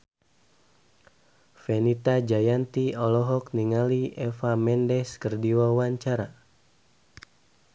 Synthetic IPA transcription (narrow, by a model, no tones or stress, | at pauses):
fɛnit̪ad͡ʒajant̪iɔlɔɦɔk̚niŋaliɛfamɛndɛskərdiwawaɲt͡ʃaɾa